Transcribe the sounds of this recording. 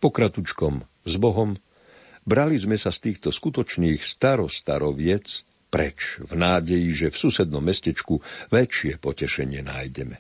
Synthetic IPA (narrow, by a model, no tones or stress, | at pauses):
pɔkɾat̪ut͡ʃkɔm | zbɔɦɔm | bɾalizmɛsast̪iːxt̪ɔskut̪ɔt͡ʃniːxst̪aɾɔst̪a̰ɾɔʋɪɛt͡s | pɾɛ̰t͡ʃvnaːɟɛjiʒɛfsusɛd̪̚nɔmːɛscɛt͡ʃkuʋɛt͡ʃɪɛpɔcɛʃɛɲɪɛna̰ːjɟɛmɛ